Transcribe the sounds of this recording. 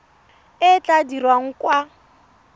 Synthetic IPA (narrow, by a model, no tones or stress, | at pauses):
ɪt͡ɬʼadirwaŋ̩kwa